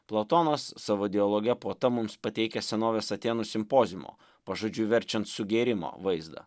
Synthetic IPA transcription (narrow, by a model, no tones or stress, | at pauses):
plˠɐt̪oːnɐsːɑʋoːd̪ʲɪolˠoːɡʲɛpoɔt̪ɐmʊmspɐt̪ʲɛɪkʲɛsʲɛnoːʋʲeːsɐt̪ʲeːnʊsʲɪmpoːzʲɪmo̰ː | pɐʒoːd͡ʒʲʊʋʲɛɾʲt͡ʃʲɛnt̪sʊɡʲeːɾʲɪmo̰ːʋɐɪzd̪ɐ̰